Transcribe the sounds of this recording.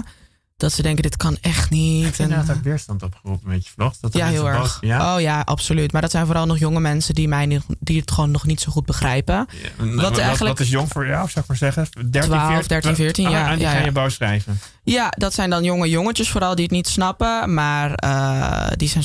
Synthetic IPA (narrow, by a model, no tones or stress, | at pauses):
d̥ɑtsədɛŋkədɪtkɑnɛχtnitntɔʋɪːɹstɑntɔpχərupəmbejə̥flɔχttjaɦɪːlˠɛjowjaʔɑ̰psolytmaːɹdɑtsɛjnvoːɾɑlˠnɔχjʊŋəmɛnsəndimɛjndiətχʋoːnːɔχnitsowχud̚bəχrɛjpəʋɑnχələtɪs̬joŋfʊːɹjafsawɪkmaːɹzɛχədɛtʋaːlːfdɛɹtifɪːɹtinjajaajəbawsrɛjvə | jadɑtsɛjndɑnjoŋəjoŋət͡ʃəsfoːɾɑlˠdiətnitsnɑpəmaːrə̰dizɛn